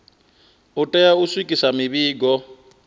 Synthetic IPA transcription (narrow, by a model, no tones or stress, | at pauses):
utʼɛjauswikʼisamiβiːɡɔ